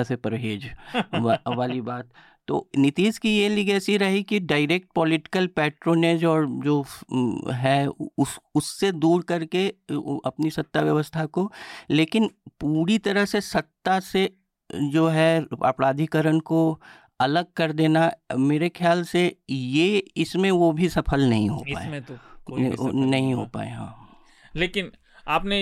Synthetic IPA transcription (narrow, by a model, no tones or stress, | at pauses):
sepɾbʱeːd͡ʒ | ʋaːlibaːt̪ː | o̰ːnɪt̪iːd͡ʒkijeliɡɛːsiɾɐɦikiɖaːɪɾeːk̚ʈ̚pɔːlɪʈɪ̥kəlpɛːʈɾoːneːd͡ʒɔːɾd͡ʒoː | ɦɛʊsʊsːed̪uːɾkɐɾkeɐ̰pnisɐt̪ːaʋjɐʋəst̪ʰakoleːkɪnpuːɾit̪ɐɾəɦsesɐt̪ːase | d͡ʒoːɦɛa̰pɾaːd̪ʱikəɾənko | ɐləɡ̚kɐɾd̪eːnameːɾekʰjaːlsejeɪsmẽʋobʱisɐpʰəlnɐɦḭ̃ɦo̰pa̰ːemẽoonɐɦĩɦo̰ːpa̰ːḛɦã̰ː | leːkɪn | aːpne